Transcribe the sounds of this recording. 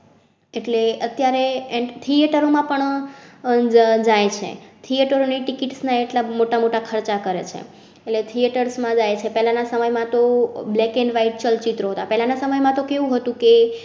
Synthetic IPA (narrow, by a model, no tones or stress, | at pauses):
eʈleət̪jaɾeet̪ʰieʈəɾomãpəɳ | d͡ʒajt͡ʃʰḛt̪ʰieʈəɾoniʈikiʈsnaeʈlamoʈamoʈakʰəɾt͡ʃakəɾḛt͡ʃʰḛ | elet̪ʰieʈəɾsmãd͡ʒajt͡ʃʰepɛlanasəməjmãt̪oblɛkeɳɖʋaiʈ̚t͡ʃəlt͡ʃit̪ɾoɦət̪apɛɦlanasəməjmãt̪okeʋũɦət̪ũke